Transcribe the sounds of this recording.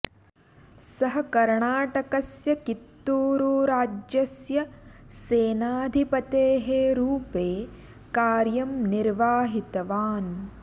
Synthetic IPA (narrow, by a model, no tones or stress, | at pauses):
sɐɦɐkɐɾɳaːʈɐkɐsjɐkit̪ːuːɾuːɾaːd͡ʒjɐsjɐseːnaːd̪ʱipɐt̪eːɦeɾuːpeː | kaːɾjɐmniɾʋaːɦit̪ɐʋaːn